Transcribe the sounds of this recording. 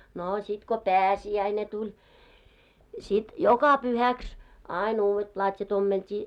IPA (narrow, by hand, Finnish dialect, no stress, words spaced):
noː sit ko pæːsiæine tulʲ sit jokɑ pyhæks ɑˑin uːwet plɑtʲjɑt omːeltʲiː